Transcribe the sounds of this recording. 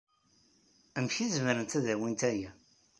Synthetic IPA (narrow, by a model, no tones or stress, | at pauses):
æmçizməɾənt̪æðæwint̪æjæ